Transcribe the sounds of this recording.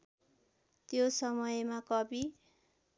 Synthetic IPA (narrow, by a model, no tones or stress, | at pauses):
t̪josʌmʌjmakʌbi